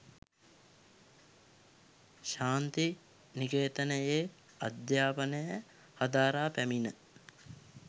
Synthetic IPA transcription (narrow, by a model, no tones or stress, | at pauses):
ʃaːnt̪i | nikeːt̪ənəje | ad̪jaːpənəjə | had̪aːɾaːpæminə